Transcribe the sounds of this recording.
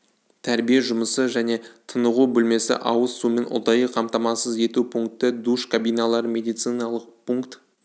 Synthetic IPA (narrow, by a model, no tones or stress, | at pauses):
t̪ʰæɾbijeʒʊməsəʒæne̞t̪ʰənəʁubʏlme̞sɪ̰ʔɑwəssume̞nʔʊ̰d̪ɑjəqʰɑmt̪ɑmɑsəze̞t̪upʰuŋk̚t̪ɪd̪uʃkʰabijnɑlˠɑɾəmʲe̞d̪ijt̪sɨjnɑlˠəq̚pʰuŋkt̪